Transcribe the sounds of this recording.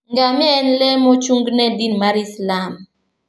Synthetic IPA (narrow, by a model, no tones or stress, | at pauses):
ŋɡamiɛnlɛmɔt͡ʃuŋɡnɛdinmaɾislam